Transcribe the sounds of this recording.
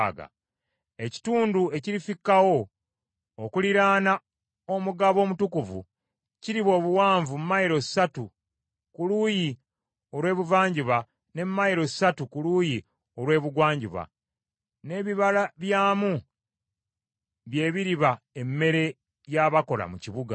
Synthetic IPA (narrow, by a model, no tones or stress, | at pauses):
ɡa̰ | e̞ci̥tuːndue̞ciɾifikːawo̞ː | kuliɾaːna | omuɡaβo̞ːmutukuvṵ | ciɾiβo̞ːβuwaːɱvummːajiɾo̞ssatu | kuluːji | o̞ɾwe̞ːβuvaːɲɟiβa | ne̞mmajiɾo̞satukuluːji | o̞ɾwe̞ːβuɡwaːɲɟḭβa̰ | ne̞βiβalaβjaːmu | βje̞ːβiɾiβa | emːe̞ɾe̞ | jaβako̞la̰muciβuɡa̰